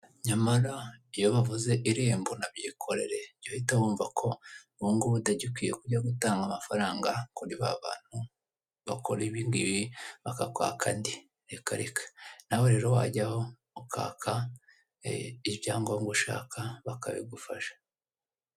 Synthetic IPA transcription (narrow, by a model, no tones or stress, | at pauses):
ɲamaɾaijo̞βavuze̞ʔiɾiːmbonabɟiːkʰo̞ɾe̞̰ɾe̞̥ɟohitawuːɱvakʰo̞ | βuŋɡoβudaɟikʷwijekuɟaɡutaːŋɡamafaɾaːŋɡakuɾiβa̰βa̰ːn̥hu | βakʰoɾeβiːŋɡiβiβakakwa̰ːkʰandi | ɾeka̰ɾikʰḁnawo̞ɾe̞ːɾo̞wa̰ɟahoː | kʰa̰ːkʰa | iβjaːŋɡoŋɡuʃa̰ːkʰaβaka̰βḭɡufaʃḁ